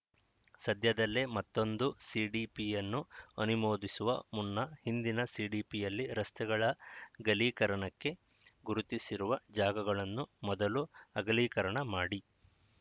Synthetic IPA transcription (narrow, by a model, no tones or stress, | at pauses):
sɐd̪ʱjɐd̪ɐlːemɐt̪ːo̞nd̪usiːɖiːpijɐnːuɐnumoːd̪isuʋɐ̰munːɐhind̪inɐsiːɖiːpijɐlːiɾɐst̪ʰɛɡɐɭɐɡɐliːkɐɾɐɳɐkːe̞ | ɡuɾut̪isiɾuʋɐd͡ʒaːɡɐɡɐɭɐnːumɔd̪ɐluɐɡɐliːkɐɾɐɳɐmaːɽi